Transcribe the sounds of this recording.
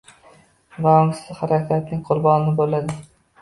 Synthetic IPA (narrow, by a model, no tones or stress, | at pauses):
vaʊŋsɪzhaɾakʲat̪̚nɪŋqʰʊɾbɒnɪnɪbolːad̪ɪ